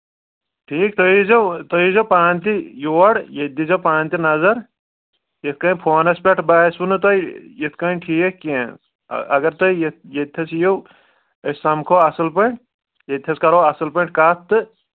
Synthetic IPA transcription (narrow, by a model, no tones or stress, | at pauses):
ʈʰiːk̚t̪oizɐwt̪oizɐpaːnʲt̪̬ijoːɐɽjed̪izɐpaːnt̪inɐzɐɾ | jet̪̚ʰkɐ̃npʰoːnɐspʲɐʈʰbaːsunɨt̪ɐjet̪̚ʰkɐʈʰiːkkːḛ̃ | ɐ̰ɡɐɾt̪ɐjejet̪ʲʰjɐsjow | ɐsɐmkʰoːɐsɨlpɐʈ | jet̪ʰʲːɐskɐɾoːɐsɨlpɐʈkaːt̪ːɨ